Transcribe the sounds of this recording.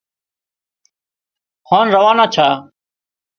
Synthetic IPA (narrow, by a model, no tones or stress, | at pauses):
hãːnɾəʋaːnãːt͡ʃʰaː